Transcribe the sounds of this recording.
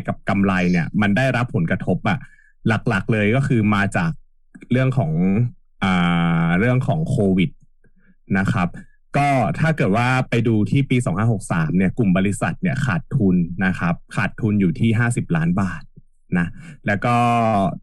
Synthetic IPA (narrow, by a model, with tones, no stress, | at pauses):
ka˨˩p̚ka˧mla˧jni˥˩ɐma˧nda˥˩jɾa˦˥pʰːo˩˦nkɾa˧t̪ʰo˦˥p̚ʔa˨˩ | la˨˩k̚la˨˩k̚lɤː˧jkɔː˥˩kʰɯː˧maː˧t͡ɕaː˨˩k̚ | ɾɯ˥˩əŋkʰɔː˩˦ŋ | ʔaː˨˩ɾɯ˥˩əŋkʰɔː˩˦ŋkʰoː˧wi˨˩t̪̚ | na˦˥kʰa˦˥p̚ | kɔː˥˩t̪ʰaː˥˩kɤː˨˩t̪̚waː˥˩pa˧jduː˧t̪ʰiː˥˩piː˧s̬ɔː˩˦ŋpʰaː˧˥nho˨˩k̚saː˩˦mni˥˩ku˨˩mbɔː˧li˦˥sa˨˩t̪̚ni˥˩ɐkʰaː˨˩t̪ʰːu˧nːa˦˥kʰa˦˥p̚kʰaː˨˩t̪ʰːu˧njuː˨˩t̪ʰiː˥˩ɦaː˥˩si˨˩p̚laː˦˥nbaː˨˩t̪̚ | na˦˥lɛː˦˥wkɔː˥˩